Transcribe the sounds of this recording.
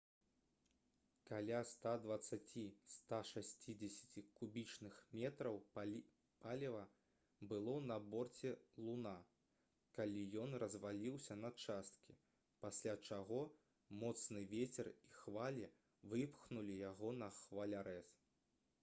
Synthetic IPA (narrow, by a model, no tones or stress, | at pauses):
kalʲast̪ad̪vɐt̪sat͡sʲist̪aʂasʲt͡sʲid͡zʲɛsʲɐ̥t͡sʲikubʲit͡ʂnɨxmʲɛt̪ɾɐw | palʲivɐ | bɨlˠɔnɐbɔrt͡sʲɛlˠuna | kalʲijɔnrɐzvalʲiwsʲɐnɐt͡ʂast̪kʲi | pasʲlʲat͡ʂaɣɔ | mɔt̪snɨvʲet͡sʲɛrixvalʲɛ | vɨpxnulʲijaɣɔnɐxvalʲaɾɛs